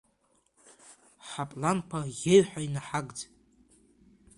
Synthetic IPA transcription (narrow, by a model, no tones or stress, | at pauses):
ħapʼlankʷʰajeɥħainaħaɡʼd͡zʼ